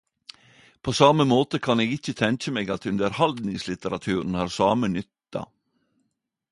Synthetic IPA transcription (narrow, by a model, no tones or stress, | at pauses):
pʰoːsɑməmoːt̪əkʰɑneːɡɪçət̪ʰɛŋc͡çəmeːɡɑt̪ʉnd̪əɾhɑld̪nɪŋslɪt̪əɾɑt̪ʰʉːɾn̩hɑːɾsɑːmənʏt̪ɑ̰